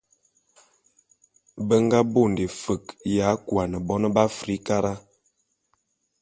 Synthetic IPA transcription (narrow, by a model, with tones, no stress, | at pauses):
bə˦ŋ˦ɡa˦bo˦˨n˨de˨fə˨kja˨˦kwa˨nə˨bɔ˦nə˦ba˦fɾi˨˦ka˦ɾa˦